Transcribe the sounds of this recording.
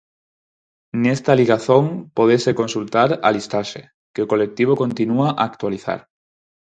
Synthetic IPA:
nest̪aliɣaθoŋpoðesekonsult̪aɾa̰list̪aʃe | keokolek̚t̪iβ̞okõnt̪inuaʔaːkt̪waliθa̰ɾ

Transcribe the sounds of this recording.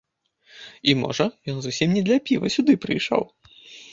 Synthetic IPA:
imɔ̰ʐɐjɔnzusʲimnʲɛd̪lʲɐpʲivɐsʲud̪ɨpɾɨjʂɔ̰w

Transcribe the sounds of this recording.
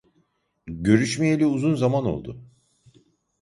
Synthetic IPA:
ɟø̞ɾyʃmejelʲiuzunzamano̞̰lˠd̪ʊ̰

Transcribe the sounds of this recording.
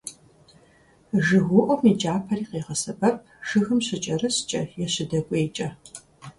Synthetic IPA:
ʒɨɣʷʊʔɔmiːd͡ʒʼaːpʰɐriːqeːʁɐsɐbɐp̚ʰʒɨxɨmɕɪt͡ʃʼɐrɨɕt͡ʃʼɐjɛɕɪdɐkʷʼeːt͡ʃʼɐ

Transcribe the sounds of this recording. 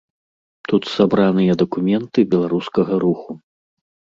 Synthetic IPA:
t̪ut̪sabɾanɨjɐd̪ɐkumʲɛnt̪ɨbʲɛlˠaɾuskɐɣɐɾuxu

